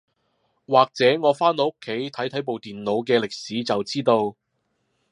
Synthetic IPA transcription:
waː˨˩k̚t͡sɛː˨˥ŋɔː˨˧faː˥nlɔ˨˧˥kʰːe˨˥jt̪ʰɐ˨˥jt̪ʰɐ˨˥jp̬o˨wt̪iː˨nlo˨˧wk̬ɛː˧lɪ˨k̚siː˨˥t͡sɐ˨wt͡siː˥t̪o˧w

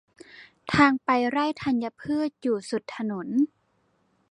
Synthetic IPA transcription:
t̪ʰaː˧ŋpa˧jɾa˥˩jt̪ʰa˧nja˧pʰɯ˥˩ət̪̚juː˨˩su˨˩t̪ʰːa˧no˩˦n

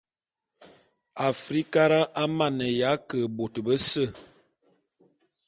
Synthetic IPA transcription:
a˨fɾi˦ka˦ɾa˦ʔa˦ma˦˨nə˨ja˨˦kə˨bo˨tə˨bə˦sə˦˨

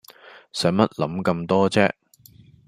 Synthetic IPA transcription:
sœː˨˥ŋmɐ˥t̚lɐ˨˥mkɐ˧mt̪ɔː˥t͡sɛː˥

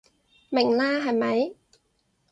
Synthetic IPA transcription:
mɪ˨˩ŋlaː˥ɦɐ˨jmɐ˨˧˥j

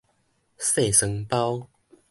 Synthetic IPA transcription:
se˥˨sə˧˦ŋpa˦ʊ

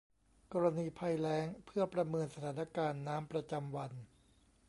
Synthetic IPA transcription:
kɔː˧ɾa˧niː˧pʰa˧jlɛː˦˥ŋpʰɯ˥˩ɐpɾa˧mɤː˧nsa˧t̪ʰaː˩˦na˧kaː˧nːaː˦˥mpɾa˧t͡ɕa˧mwa˧n

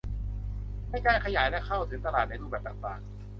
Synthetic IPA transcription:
ma˥˩jkaː˥˩jkʰa˧jaː˩˦jlɛ˦˥kʰa˥˩wt̪ʰɯ˨˩˦ŋt̪a˧laː˨˩t̪na˧jɾuː˥˩bɛː˨˩p̚t̪aː˨˩ŋt̪aː˨˩ŋ

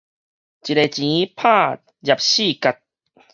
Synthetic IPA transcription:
t͡ɕi˨te˨˩t͡ɕĩ˨˦pʰa˥˧˨ | d͡ʑa˨p̚ɕi˥˧˨ka˧t̚

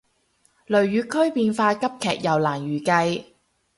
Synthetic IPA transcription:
lɵ˨˩ɥjyː˨˧kʰɵ˥ɥpiː˧nfaː˧kɐ˥p̚kʰɛ̰ː˨˩k̚jɐ˨˩wlaː˨˩njyː˨˩kɐ˧j

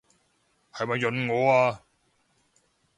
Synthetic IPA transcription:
hɐ˨jmɐ˨jːɵ˨nŋɔː˨˧aː˧

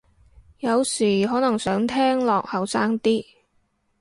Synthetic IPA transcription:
jɐ˨˧wsiː˨˩ɦɔː˨˥nɐ˨˩ŋsœː˨˥ŋt̪ʰɛː˥ŋlɔː˨k̚hɐ˨˩wsaː˥ŋt̪iː˥

